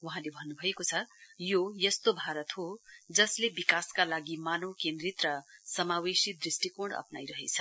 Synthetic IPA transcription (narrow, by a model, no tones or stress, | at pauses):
wuɦãlebʱʌnːubʱʌekot͡sʰʌjojʌst̪obʱaɾʌt̪ɦod͡zʌslebikaskalaɡimanokẽnd̪ɾit̪rʌsʌmawesid̪risʈikoɳɖʌ̰pna̰jɾʌɦḛt͡sʰʌ